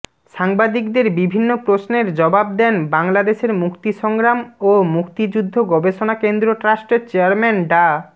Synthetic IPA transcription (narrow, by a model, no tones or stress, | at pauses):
ʃaŋbad̪ikd̪eɾbibʱinːopɾosneɾd͡ʑɔbab̚d̪ɛnbaŋlad̪eʃeɾmukt̪iʃɔŋɡɾamomukt̪id͡ʑud̪ʱːoɡɔbeʃonakend̪ɾoʈɾasʈt͡ɕeaɾmɛnɖa